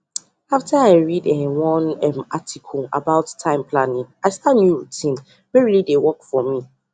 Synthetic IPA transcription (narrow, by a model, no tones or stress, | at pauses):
aftəaɪɹidɛwɔ̃nɛmatʰikʰɔla̰baʊtːʰãɪ̃mpʰlanĩŋaɪstatnjuɹutʰĩn | wɛɹilidewɔkfɔmi